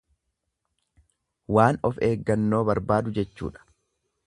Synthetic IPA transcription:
waːnɔfe̞ːɡːɐnːo̞ːbɐɾbaːd̪ʊd͡ʒɛt͡ʃːṵːᶑɐ̥

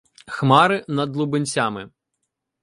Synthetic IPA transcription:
xmɑɾɪnɐd̪lˠubɪnʲt͡sʲamɪ

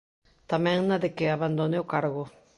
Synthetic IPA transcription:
t̪amɛ̃ŋnaðɪkɪaβand̪oneokaɾɣʊ

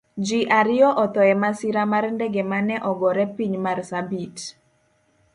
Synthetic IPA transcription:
d͡ʒiʔaɾɪɔʔɔt̪ɔɛmasiɾamarndɛɡemanɛʔɔɡɔɾɛpiɲmarsabit

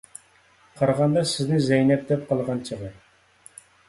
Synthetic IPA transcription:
qʰɑɾʁɑnd̪ɑsɪznɪzɛjnɛp̚d̪ɛp̚qʰəlˠʁɑnt͡ʃʰəʁə

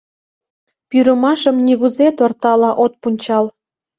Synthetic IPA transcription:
pyɾə̆mɑʃə̆mnʲiɣuzet̪ort̪ɑlɑʔot̪̚punʲt͡ɕɑl

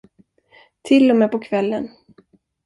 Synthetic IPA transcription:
t̪ʰɪlːɔmɛpɔkʰvɛlːən

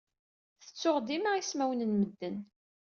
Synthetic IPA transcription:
θə̥t͡sːʊʁd̪iməʁismæwnənməd̪ːən

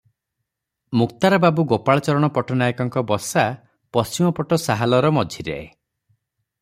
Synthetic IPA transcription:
muk̚t̪aɾɔbabuɡopaɭɔt͡ʃɔɾɔɽ̃ɔpɔʈɔnajkɔŋkɔbɔsa | pɔst͡ʃimɔpɔʈɔsaɦalɔɾɔmɔd͡ʒʱiɾḛe

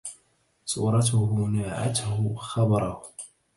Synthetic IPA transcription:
sˤṵːɾˤɑt̪ʊhʊnaːʕa̰t̪hʊxɑbɑɾˤɑhʊ

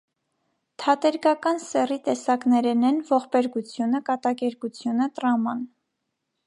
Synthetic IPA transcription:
t̪ʰɑt̪ɛɾɡɑkɑnsɛrit̪ɛsɑknɛɾɛnɛnvɔχpɛɾɡut͡sʰjunəkɑt̪ɑkɛɾkut͡sʰjunət̪ɾɑmɑn

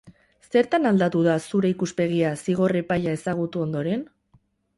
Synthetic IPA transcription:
se̞ɾt̪anald̪at̪uðasuɾe̞ikuspe̞ɣ̞iasiɣ̞o̞re̞paʎaesaɣ̞ut̪uo̞nd̪o̞ɾe̞n

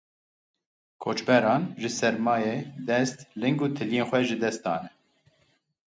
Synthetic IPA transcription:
kʰoːt͡ʃbɛɾɑːnʒɨsɛɾmɑːjed̪ɛst̪lɨŋɡuːt̪ʰɨlijeːnxʷɛʒɨd̪ɛst̪̚d̪ɑ̰ːnɛ

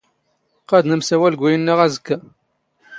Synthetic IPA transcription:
qæd̪nəmsæwælɡʷːæjənːəʁæzəkːæ

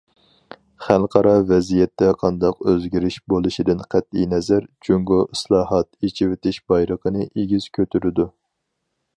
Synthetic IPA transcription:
χælˠqʰɑɾɑvɛzijɛt̪ʰːɛqʰɑnd̪ɑqøzɡʲiɾɪʃbolˠɨʃid̪ɪnqʰæt̪inɛzæɾt͡ʃʰyŋɡoʔislˠɑːɦɑt̪et͡ʃʰivɪt̪ʰɪʃb̥ɑjɾəqənɨʔeɡʲiz̥kʲʰøt̪ʰyɾɪd̪u

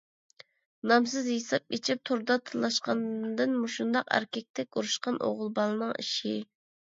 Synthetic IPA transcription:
nɑms̬ɨzhesɑp̚ʲet͡ʃʰip̚t̪ʰoɾd̪ɑt̪ʰɨlˠːɑʃqɑnd̪ɨnmuʃund̪ɑqæ̰ɾkʲɛk̚ʲt̪ʰɛkʲuɾuʃqɑnʔo̰ʁʊlˠbɑlˠɨnɨŋḭʃi

